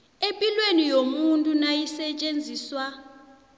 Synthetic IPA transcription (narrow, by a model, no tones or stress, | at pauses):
empʼilwenijomuntʼunajisɛt͡ʃʼend͡zʱiːswa